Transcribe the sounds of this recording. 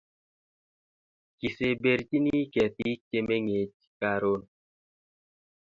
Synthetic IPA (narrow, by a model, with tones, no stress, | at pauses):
ki˨se˨be˨ɾt͡ʃi˦ni˦kɛ˨ti˦t͡ʃe˦me˦ŋe˨t͡ʃ | ka˦ɾo˦n